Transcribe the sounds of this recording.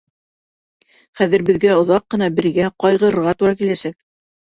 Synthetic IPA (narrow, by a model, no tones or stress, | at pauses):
χæðɘ̆ɾbɘ̆ðɡæŏðɑqːɤ̆nɑbɘ̆ɾɡæqɑjʁɤ̆ɾɤ̆ɾʁɑt̪uɾɑkilæsæk̚